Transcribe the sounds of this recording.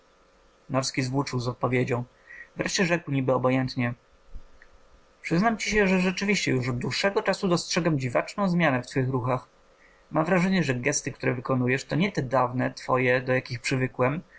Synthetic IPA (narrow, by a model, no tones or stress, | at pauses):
nɔɾskʲizvwut͡ʂɘwzɔt̪̚pɔvʲjed͡ʑɔ̃w̃ | vɾɛʂt͡ɕɛʐɛkwɲibɘɔbɔjɛnt̪ɲɛ | pʂɘznamt͡ɕiɕɛʐɛʐɛt͡ʂɘvʲiɕt͡ɕɛjuʂɔd̪̚d̪ːwuʂːɛɡɔt͡ʂasud̪ɔstʂɛɡamd͡ʑivat͡ʂnɔ̃w̃zmʲjanɛft̪fɘxɾuxax | mamvɾaʐɛɲɛʐɛɡɛst̪ɘkt̪uɾɛvɘkɔnujɛʂt̪ɔɲɛt̪ɛd̪avnɛt̪fɔjɛd̪ɔjakʲixpʂɘvɘkwɛm